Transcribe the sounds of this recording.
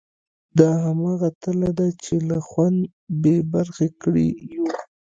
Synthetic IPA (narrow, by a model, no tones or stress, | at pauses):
d̪ɑɦamɑɣat̪əlad̪at͡ʃelaxwand̪ | bebaɾxekɽḭ